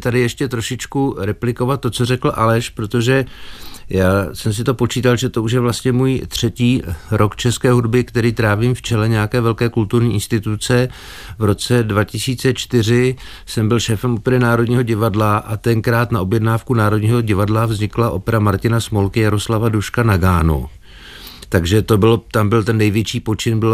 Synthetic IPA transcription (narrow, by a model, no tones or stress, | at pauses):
t̪adɪjɛʃcɛt̪ɾoʃɪt͡ʃkuɾɛplɪko̞vat̪tːo̞t͡so̞rɛkl̩ʔalɛʃpɾot̪o̞ʒɛ | jaːsɛms̬ɪt̪o̞po̞t͡ʃiːt̪alʒɛt̪o̞uʃ̬jɛvlast̪ɲɛmuːjt̪r̝̥ɛciːɾo̞kt͡ʃɛskɛːɦudbɪkt̪ɛɾiːt̪ɾaːviːmft͡ʃɛlɛɲɛjakɛːvɛlkɛːkult̪uɾɲiːʔɪnst̪ɪt̪ut͡sɛ | vɾo̞t͡sɛdvacɪsiːt͡sɛt͡ʃt̪ɪr̝ɪ | sɛmbɪlʃɛːfɛmʔopɛɾɛnaːɾo̞dɲiːɦoɟɪvadlaʔat̪ɛŋkɾaːt̪naʔo̞bjɛdnaːfkunaːɾodɲiːɦo̞ɟɪvadlavzɲɪklaʔo̞̰pɛɾamaɾcɪnasmolkɪjaɾo̞slavaduʃkanaɡaːnṵ | t̪aɡʒɛt̪o̞bɪlot̪ambɪlt̪ɛnːɛjvjɛt͡ʃiːpo̞t͡ʃɪnbɪl